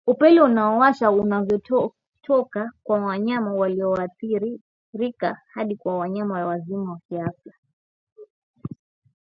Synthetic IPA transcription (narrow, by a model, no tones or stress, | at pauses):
upɛliunaɔwaʃaunavjɔ | tʰɔkakwawaɲamawaliɔaθiɾi | ɾikahaɗikwawaɲamajawazimawakiafa